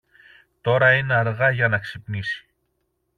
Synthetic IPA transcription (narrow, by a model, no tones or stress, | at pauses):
t̪o̞ɾɐine̞ɐɾɣɐʝɐnɐksipnisi̥